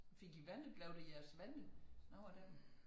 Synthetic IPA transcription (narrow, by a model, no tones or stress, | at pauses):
fe̝ɡ̥iʋænð̩ˠlɛʊd̥ejæɐsʋæn̩ˠnɒʊɐd̥e